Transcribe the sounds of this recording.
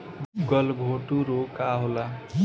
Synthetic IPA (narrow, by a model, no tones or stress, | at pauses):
ɡʌlɡʱoʈuɾokaɦola